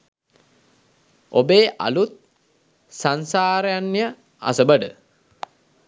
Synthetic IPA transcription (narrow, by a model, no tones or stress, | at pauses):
obeːʔa̰lut̪̚ | sansaːɾəjanːijə | a̰səbəɖə